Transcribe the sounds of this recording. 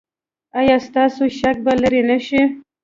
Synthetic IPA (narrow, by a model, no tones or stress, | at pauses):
ajɑst̪ɑsoʃak̚balaɾenaʃi